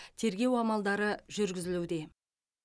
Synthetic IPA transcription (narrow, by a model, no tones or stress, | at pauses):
t̪ʰe̞ɾɡʲe̞wɑmɑlˠd̪ɑɾəʒʏɾɡʲɪzɪluwd̪e̞